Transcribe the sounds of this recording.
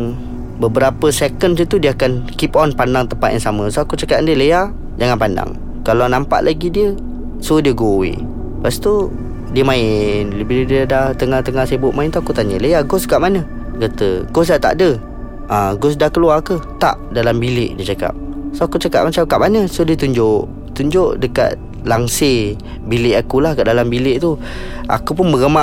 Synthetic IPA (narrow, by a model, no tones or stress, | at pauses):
bəbəɾapəsɛkənsət̪udiəakankipɔnpandaŋt̪əmpat̪jaŋsaməsoakut͡ʃakat̪ndiələja | d͡ʒaŋanpanda̰ŋ | kalanampa̰ʔlʔaɡidiə | sodiəɡowḭ | past̪u | diəmãɪnləbilədidaht̪əŋaht̪əŋahsebʊʔmaɪnt̪uakut̪aɲələjaɡʊskaʔ̚manə | ɡət̪əɡos̬aʔt̪a̰ʔdə | aɡʊs̬dahkəluarkət̪a̰ʔdalambilɪʔdiət͡ʃaka̰p̚soakut͡ʃaka̰p̚mat͡ʃamkaʔ̚manəsodiət̪uɲd͡ʒʊʔ | t̪uɲd͡ʒʊʔdəka̰t̪̚ | laŋse | bilɪʔakulahkaʔdalambilɪʔt̪u | a̰kup̬ʊnməɡəma